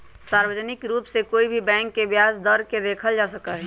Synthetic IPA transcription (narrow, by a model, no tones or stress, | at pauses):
saːɾwəd͡ʒnɪkɾuːpsekoːibʱibɛ̃ːŋkːebjasd̪əɾked̪eːkʰəld͡ʒasəkaɦɛ